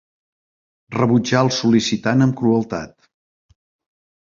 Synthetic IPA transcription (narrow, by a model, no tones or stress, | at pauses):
rəβud͡ʒaəlˠsulisit̪anəmkɾuəlˠt̪a̰t̪̚